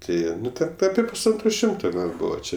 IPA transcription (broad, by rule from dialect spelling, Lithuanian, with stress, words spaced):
ˈtɐɪ ˈnʊ tʲɛn ˈɑːpʲiɛ pʊsˈɐntroː ˈʃʲɪmtoː ˈɡɐlˠ ˈbuːʋɐ ˈt͡ʃʲɛ